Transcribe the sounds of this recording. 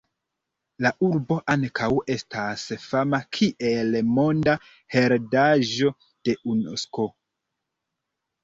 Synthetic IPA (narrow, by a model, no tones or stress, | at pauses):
laʔuɾbo̞ʔaŋkʰawe̞stʰasfamakʰiʔe̞lmo̞nda | he̞ɾdaʒo̞ | d̥e̞ʔuno̰sko̞